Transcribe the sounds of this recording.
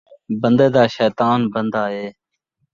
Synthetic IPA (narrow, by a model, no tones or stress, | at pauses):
bənd̪eːd̪aːʃɛːt̪aːnbənd̪aːɦeː